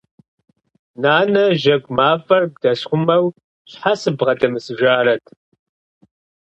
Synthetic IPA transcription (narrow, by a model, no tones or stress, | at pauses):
naːnɐʒɐkʷʼmaːfɐrbdɐɕχʷʊmɐw | ɕħasɨbʁɐdɐmɨsɨʒaːɾɐtʰ